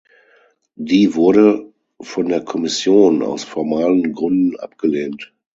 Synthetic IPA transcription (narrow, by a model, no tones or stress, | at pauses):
diːvʊɐɾə | fɔndeːɐkʰɔmɪsjoːna̰ʊsfɔɐmaːlənɡʁʏndn̩ʔa̰pɡ̥əleːnt